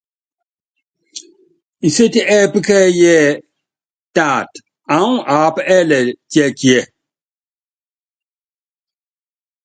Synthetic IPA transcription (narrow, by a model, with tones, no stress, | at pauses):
i˨se˦ti˦ʔɛ˦˨pɨ˦kɛ˦jɛ˦ | ta˦˨t | a˨˦ŋ˦ʔa˨˦pɛ˦lɛ˨tjɛ˦˨kjɛ˨